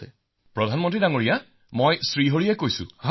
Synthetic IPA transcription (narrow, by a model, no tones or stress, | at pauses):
ɛ | pɹɔdʱanmɔ̃ntɹidaŋoɹija | mojsɹiɦoɹiɛkojsʊ̰̃ɦ